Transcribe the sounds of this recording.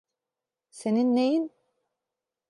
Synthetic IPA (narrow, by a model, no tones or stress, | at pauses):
seninːejin